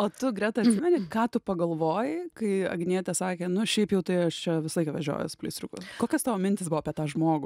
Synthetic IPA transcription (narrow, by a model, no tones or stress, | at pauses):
oːt̪ʊɡɾʲɛt̪ɐɐt̪ʲsʲɪmʲɛnʲɪkɑːt̪ʊpɐɡɐlˠʋoːjɪkɐɪɐ̰ɡnʲiɛt̪ʲɛsɑːkʲeːnʊʃʲɛɪpjɛʊt̪ɐɪɐʃt͡ʃʲɛʋʲɪsɐlˠɐɪkɐʋɐʒʲo̰ːjʊ̰sʊ̥plʲɐɪsʲt̪ʲɾʊkʊskoːkʲɛst̪ɑʋoːmʲɪnʲt̪ʲɪsbʊʋoːpʲiɛt̪ɑːʒmoːɡʊ